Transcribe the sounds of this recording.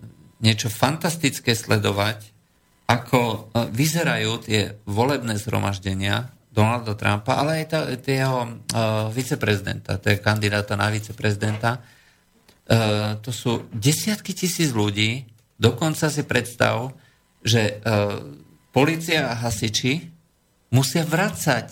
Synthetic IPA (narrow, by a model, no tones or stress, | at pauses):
ɲɪɛt͡ʃɔfant̪ast̪it͡skɛːslɛd̪ɔʋac | akʰɔʋizɛɾajuːt̪ɪɛ̰ʋɔlɛbnɛːzɦɾɔ̰maʒɟɛɲɪa | d̪ɔnald̪at̪ɾa̰mpaʔalɛajt̪t̪ɪɛɦɔ | ʋit͡sɛpɾɛzid̪ɛ̰nt̪a̰t̪ɛkand̪id̪aːt̪ana̰ʋit͡sɛpɾɛzid̪ɛnt̪a | t̪ɔsuːɟɛsɪat̪kicisiːd͡zʎuɟiː | d̪ɔkɔnt͡sas̬ipɾɛt̪st̪a̰ʋ | ʒɛ | pɔliːt͡siaːɦasit͡ʃi | musɪaʋɾat͡sac